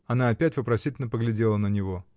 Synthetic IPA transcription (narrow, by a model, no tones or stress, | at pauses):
ɐnaːɐpʲætʲvəpɾɐsʲitʲɪlʲnəpəɡlʲɪdʲe̞lˠənənʲɪvo̞